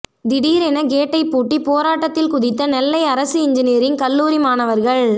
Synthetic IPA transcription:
d̪ɪɽiːɾɛnɐɡeːʈːɐɪpːuːʈːipoːɾaːʈːɐt̪ːɪlkʊðɪt̪ːɐnɛlːɐɪɐɾɐsɯɪɲd͡ʒɪneːɾɪnkɐlːuːɾimaːnɐʋɐɾɣɐɭ

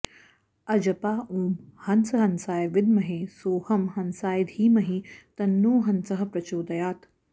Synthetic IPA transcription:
ɐd͡ʒɐpaːʔuːmhɐnsɐɦɐnsaːjʋɪd̪mɐɦesoːhɐmhɐnsaːjd̪ʱiːmɐɦit̪ɐnːoːɦɐnsɐɦɐ̆pɾɐt͡ʃoːd̪ɐjaːt̪

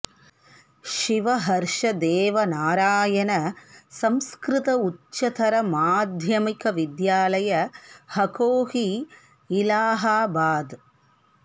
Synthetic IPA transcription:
ʃiʋɐɦɐɾʂɐd̪eːʋɐnaːɾaːjɐnɐsɐmskɾɪt̪ɐutːt͡ʃːɐt̪ʰɐɾɐmaːd̪ʱjɐmikɐʋid̪jaːlɐjɐhɐkoːhiː | laːɦaːbaːd̪

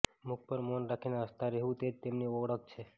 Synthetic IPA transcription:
muk̚pəɾmonɾakʰinaəst̪ʰaɾeɦũt̪et̪emniɔʋɽək̚t͡ʃʰe

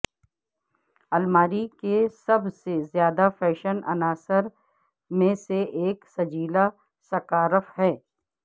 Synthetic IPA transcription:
ɐlmaːɾikesɐbsezjaːd̪afɛːʃənɐ̰naːsəɾ | mẽseʔeːksɐd͡ʒiːla | sɐkaːɾəfɦɛː

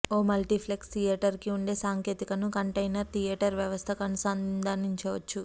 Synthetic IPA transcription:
oːmɐlʈipʰlekst̪ʰijɐʈɐɾkiuɳɖe̞ːsaːŋke̞ːt̪ikɐnukɐɳʈɐjnɐɾt̪ʰijeːʈɐɾʋjɐʋɐst̪ʰɐkɐnusaːnd̪aːniɲt͡ʃɐʋɐt͡ʃːu

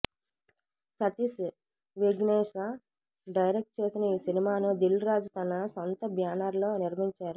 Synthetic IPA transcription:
sɐt̪is | ʋiɡneːʂa | ɖɐjɾek̚ʈ̚t͡ʃe̞ːsinɐiːsinimaːnud̪ilɾaːd͡ʒut̪ɐnɐsont̪ɐbʱjaːnaːɾlo̞ːniɾmiɲt͡ʃaːɾu

